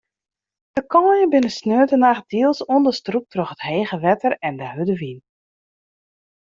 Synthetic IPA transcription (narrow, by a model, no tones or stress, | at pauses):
d̥əkʰɔːjəbɪnəsnøːtənax̚d̥iəlˠsɔndərstruk̚troxətheːɣəʋɛtərɛndəɦødəʋin